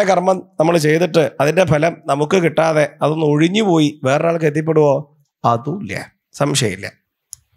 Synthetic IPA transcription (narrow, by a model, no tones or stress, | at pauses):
ekɐrmɐmnɐmːɐɭt͡ɕe̞jt̪iʈːɨɐðinde̞bʱɐlɐmnɐmukːɨkiʈːaːðe̞ɐðo̞nːoɻiɲːɨpo̞ːjiʋe̞ːrɐnaːɭk̬ɨet̪ːjɐp̬ːe̞ɽuʋo̞ | ɐðuljɐ̰ | sɐmʂɐjḭlːɐ̰